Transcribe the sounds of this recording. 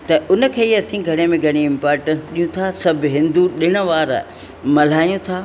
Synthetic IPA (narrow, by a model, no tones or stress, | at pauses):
t̪ɐʔʊnə̆kʰeːɦiɐsĩɡʱɐɽ̃emẽɡʱɐɽ̃iɪ̃mpaːɾʈə̃nsɗijũt̪ʰasɐbʱɪɦɪ̃nd̪uɗɪɽ̃ə̆ʋaːɾ | mɐl̤aːjũt̪ʰaː